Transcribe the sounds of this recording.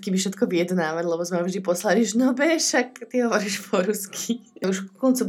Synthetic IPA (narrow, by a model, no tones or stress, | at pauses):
kibiʃɛt̪kɔʋijɛd̪naːʋaɟlɛbɔzmɛaʒd̪ipɔslaliʒnɔbɛʃakt̪iɦɔʋɔɾiːʃpʰɔɾuskʰiuʃkɔnt͡su